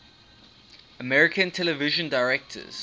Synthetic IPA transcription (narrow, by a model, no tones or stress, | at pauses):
əmɛɹɪkʰə̃ntʰɛlɛvɪʒə̃ndaɪɹɛk̚tʰə̰z̥